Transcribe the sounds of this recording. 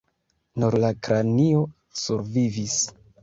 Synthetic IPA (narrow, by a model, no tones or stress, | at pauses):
nuɾlakɾanio̞ | suɾvivis